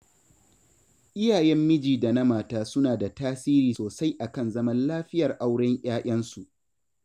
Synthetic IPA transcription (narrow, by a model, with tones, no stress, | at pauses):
ʔɪ˦jaː˨jɛ˦mːɪ˦d͡ʒiː˨da˨na˦maː˨taː˦sʊ˦naː˨da˨taː˦siː˦ɾiː˨soː˨sa˦jʔa˨kɐ˦nzɐ˦mɐ˦nlaː˦ɸɪ˦jɐ˨rʔa˦wɽɛ˦ŋʔʲaː˦ʔʲɐ˦nsu˨ʔ